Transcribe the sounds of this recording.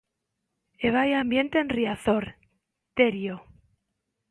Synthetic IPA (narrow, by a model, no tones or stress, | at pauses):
eβajambje̞nt̪e̞nriaθoɾ | t̪eɾjo